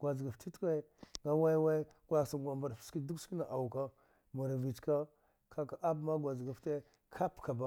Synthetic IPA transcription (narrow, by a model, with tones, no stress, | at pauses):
ɡ̥ʷa˨d͡ʒɡa˨fti˦tka˦ŋɡa˦wa˦wa˦ | ɡʷa˦˨sa˨ɡʷa˨mba˨ɾfski˦du˦ski˦na˨ʔa˨wu˨ka˦ | ma˨ɾvi˨t͡ʃka˦ | kʰa˦ka˨a˦bma˦ɡʷa˨zɡa˨fte˦ | kʰa˦pka˨ba˦